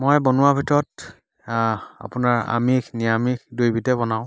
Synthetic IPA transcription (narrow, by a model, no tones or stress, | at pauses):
mojbɔnʊwabʱitɔɹɔt | a̰pʊnaɹa̰miknijamikdujbʱitɛbɔnaʊ̃